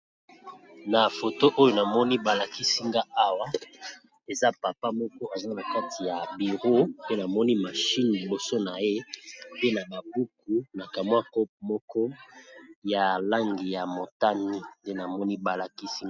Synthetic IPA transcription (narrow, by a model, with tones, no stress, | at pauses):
na˨fo˨to˦ʔo˦jo˦na˨mɔ˦ni˦ba˨la˨ki˦si˦ŋɡa˦a˦wa˦ | e˨za˦pa˨pa˦mɔ˦kɔ˦a˨za˦na˨ka˦tʰi˨ja˨bi˨ʁo˦pe˦na˨mɔ˦ni˦ma˨ʃi˦nli˨bo˨so˦na˨je˦pe˦na˨ba˨bu˦ku˨na˨ka˨m˦a˦kɔ˦p̚mɔ˦kɔ˦ | ja˨la˦ŋɡi˨ja˨mo˨ta˦ni˦nde˦na˨mɔ˦ni˦ba˨la˨ki˦si˦ŋ˦